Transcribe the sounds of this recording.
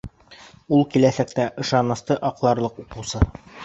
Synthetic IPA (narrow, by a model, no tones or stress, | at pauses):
ulˠkilæsæk̚t̪æʔɤ̆ʃɑnɤ̆st̪ɤʔɒqlˠɑɾlˠɤququsɤ